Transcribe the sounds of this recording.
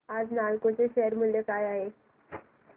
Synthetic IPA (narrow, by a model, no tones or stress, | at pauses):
ad͡znaɭkot͡seɕeɦəɾm̤ulːjekajaɦe